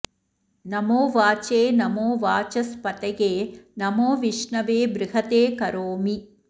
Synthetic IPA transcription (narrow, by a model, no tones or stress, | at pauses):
nɐmoːʋaːt͡ʃeːnɐmoːʋaːt͡ʃɐspɐt̪ɐɡeːnɐmoːʋiʂɳɐʋeːbɾɪɦɐt̪eːkɐɾoːmi